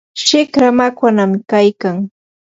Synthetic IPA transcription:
ʃɪkɾamakwanamkajkaŋ

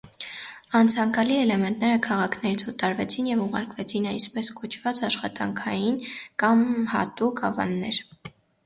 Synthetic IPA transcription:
ɑnt͡sʰɑŋkɑliɛlɛmɛnt̪nɛɾəkʰɑʁɑkʰnɛɾit͡sʰvət̪ɑɾvɛt͡sʰinjɛvuʁɑ̰ɾkvɛt͡sʰinɑjsʰpɛskɔt͡ʃʰv̥ɑt͡sɑʃχɑt̪ɑ̰ŋkʰɑjinkɑmhɑ̰t̪ukʰɑ̰vɑ̰nːɛɾ

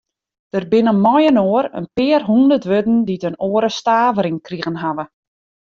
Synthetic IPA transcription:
d̥ərbɪnəmɔjənoːəɾə̰npɪːərɦundərtʋødn̩ditənoːəɾəstaːvəɾɪŋkriɣənɦaʋə

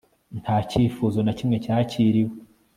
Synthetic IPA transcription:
ntʰhaːciːfuːzonacimŋe̞caːciːɾiwe

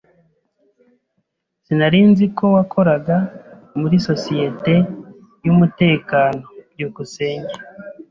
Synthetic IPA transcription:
z̥inaɾiːnzikʰo̞wakʰo̞ɾaɡa | muɾiso̞sije̞te̞ | jumute̞ːkaːno̞bɟuːkuse̞ːɲɟe

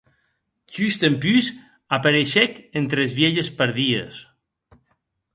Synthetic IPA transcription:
ʒyst̪empyz | apaɾeʃɛkent̪ɾezβjeʎespeɾðies

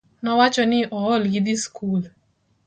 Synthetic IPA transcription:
nɔwat͡ʃɔnɪʔɔɔlɡid̪iskʰul

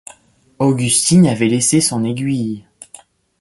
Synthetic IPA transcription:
oɡʲyst̪inavɛlesesɔ̃neɡʲɥij

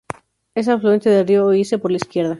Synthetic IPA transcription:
es̬afluent̪eðelrioːisepoɾlaiskjeɾða

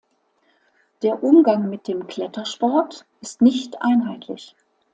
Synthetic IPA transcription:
d̥eːɐʔʊmɡaŋmɪt̚d̥eːmkʰl̥ɛtʰɐʃpɔɐtʔɪstnɪçtʔa̰ɪnɦaɪtʰlɪç

